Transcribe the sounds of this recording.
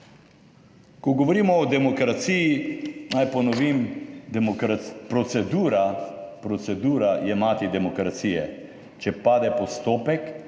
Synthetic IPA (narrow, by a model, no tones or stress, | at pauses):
kɔɡɔʋɔɾiːmɔːd̪ɛmɔkɾat̪siːjinajpɔnɔʋimmɾapɾɔt̪sɛd̪uːɾapɾɔt̪sɛd̪uːɾajɛmaːt̪id̪ɛmɔkɾat̪siːjɛ̰ | t͡ʃɛpaːd̪ɛpɔst̪oːpɛk